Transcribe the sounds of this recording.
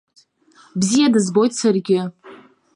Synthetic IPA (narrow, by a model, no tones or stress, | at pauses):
bzijadɨzbo̞jtsɨrɡʲɪ